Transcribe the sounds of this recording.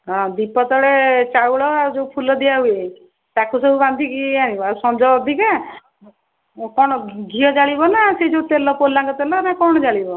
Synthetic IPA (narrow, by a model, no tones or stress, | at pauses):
ɦɔ̃d̪ipɔt̪ɔɽet͡ʃawɭɔad͡ʒoupʰulɔd̪iaɦue | t̪akusɔbuband̪ʱikiañibasɔmd͡ʒɔɔd̪ʱika | kɔɽ̃ɔɡʱiɔd͡ʒaɭibɔnased͡ʒot̪elɔpolːaŋkɔt̪elɔnakɔɽ̃ɔd͡ʒaɭibɔ